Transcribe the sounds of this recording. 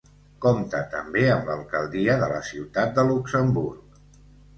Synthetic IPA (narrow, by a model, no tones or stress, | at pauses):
komt̪ət̪əmbeəmləlˠkəlˠd̪iəðələ̰siwt̪at̪̚d̪əluksəmbuɾk̚